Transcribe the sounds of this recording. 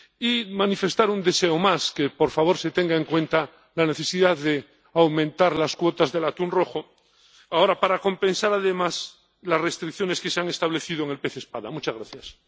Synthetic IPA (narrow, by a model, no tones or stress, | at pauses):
imanife̞st̪aɾund̪eseomaskepoɾfaβo̞ɾset̪eŋɡaeŋkwe̞nt̪a | lane̞θesiðaðe | awmẽnt̪aɾlaskwot̪azðe̞lat̪unro̞xo | ao̞ɾapaɾako̞mpe̞nsaɾaðemas | lasrest̪ɾik̚θjone̞skeseaŋe̞st̪aβle̞θið̞oeŋelpeθespaðamut͡ʃazɣɾaθjas